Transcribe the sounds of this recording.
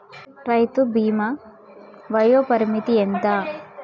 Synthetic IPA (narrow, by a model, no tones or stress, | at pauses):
ɾɐjt̪ubiːmɐ | ʋɐjoːpɐɾmit̪ient̪ɐ